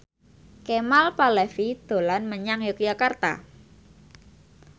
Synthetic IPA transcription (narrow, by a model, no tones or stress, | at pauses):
kemalpalɛfid̪̥o̤lanməɲaŋjok̚d͡ʒakart̪a̰